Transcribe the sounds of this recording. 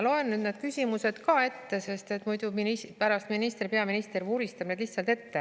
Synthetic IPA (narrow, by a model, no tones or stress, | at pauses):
lo̞enːyːd̪ned̪̥kysʲimuse̞d̪̥kɑe̞t̪ːe̞se̞st̪e̞t̪mujd̪uminispæɾɑst̪minist̪eripe̞ɑminist̪eɾvuːɾist̪ɑb̥ned̪liçht̪sɑlt̪e̞t̪ːe